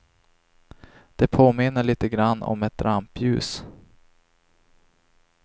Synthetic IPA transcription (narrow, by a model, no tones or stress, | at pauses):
d̪̥ɛpʰoːmɪnːəɭiːt̪əɡɾanːɔ̰mɛt̪̚d̪ɾampjʉ̟ːs